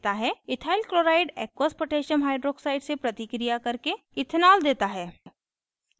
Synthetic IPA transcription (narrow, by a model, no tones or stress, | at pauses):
t̪aɦɛɪt̪ʰaːɪlkɾoːɾaːɪɖeːkwaːspoʈeːʃənɦaːɪɖɾoːksaːɪɖsepɾɐt̪ɪkɾijakɐɾke | ɪt̪ʰnaːld̪eːt̪aɦɛː